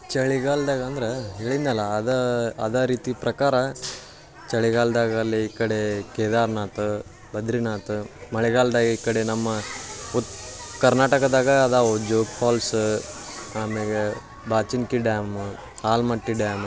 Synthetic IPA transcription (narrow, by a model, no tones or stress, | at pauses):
t͡ʃɐɭiɡaːld̪aːɡɐɐnd̪ɐɾeɦeːɭinɐlːɐːd̪ɐɐd̪aːɾiːt̪ipɾɐkaːɾɐ | t͡ʃɐɭiɡaːld̪aːɡɐɐlːiikːɐɽekeːd̪aːɾnaːt̪u | bɐd̪ɾinaːt̪umɐɭɛɡaːld̪aːɡɐikːɐɽenɐmːɐut̪ːkɐɾnaːʈɐkɐd̪aːɡɐːd̪aːud͡ʒoːkpʰaːls | aːmeɡe | baːt͡ʃinkiɖjaːm | aːlmɐʈːiɖjaːm